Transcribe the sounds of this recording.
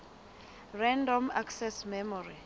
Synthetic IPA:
rɛndɔmaksɛsmɛmɔri

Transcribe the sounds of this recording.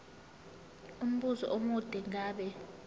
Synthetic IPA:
um̩ɓuzɔ̰ʔomud̥ʱɛŋaːɓɛ

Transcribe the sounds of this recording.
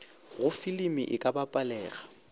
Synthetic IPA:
ɣʊfilimɪ̰ʔɪkʼabapʼalɛːɣa

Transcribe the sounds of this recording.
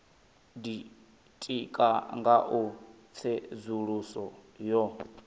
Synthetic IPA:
di | tʼikʼaŋɡaʔu | t͡sʰɛzuɺusɔjɔ

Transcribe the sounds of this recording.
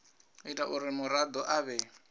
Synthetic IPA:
itʼaʔuɾɪmʊɾad̪ɔʔaβɛ

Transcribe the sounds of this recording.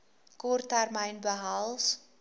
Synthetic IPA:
kɔrtɛrməjnbəɦɐlˠs

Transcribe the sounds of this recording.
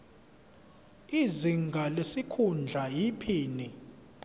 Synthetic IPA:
iziŋɡʱalesikʰund͡ɮʱajipʰiːni

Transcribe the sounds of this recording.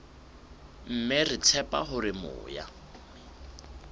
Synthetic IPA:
m̩mɛrit͡sʰɛpʼa̰ɦʊɾɪmʊ̰ːja̰

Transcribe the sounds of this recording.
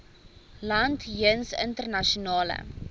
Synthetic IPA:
lɐntɦiənsəntərnɐʃunɑːlə̰

